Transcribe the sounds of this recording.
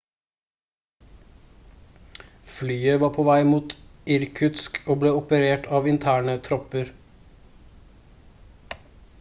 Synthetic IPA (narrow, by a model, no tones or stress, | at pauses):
flyːəʋɑːpʰoːʋæɪmuːt̪ɪɾkʰʉt̪skoːbleːɔpəɾeːʈʰɑːʋɪnt̪ʰæːɳət̪ʰɾɔpəɾ